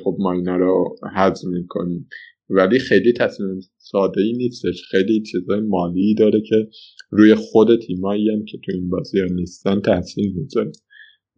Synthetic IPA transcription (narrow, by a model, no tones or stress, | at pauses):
xob̚mɒjnæɾohæzmiːkʰo̞̰nim | væliːxejliːt̪ʰæsmim | sɒːd̪e̞iːniːst̪e̞ʃxejlit͡ʃʰizɒːjemɒːliːd̪ɒːɾecʰe̞ɾuːjexod̪e̞t̪ʰiːmɒːiæmcʰe̞t̪ʰuinbɒːzijɒniːst̪ænt̪ʰæhsiːlmizɔɾæ